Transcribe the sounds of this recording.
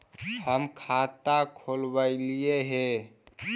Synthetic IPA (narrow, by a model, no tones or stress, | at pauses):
həmkʰat̪akʰolbəɪlieɦe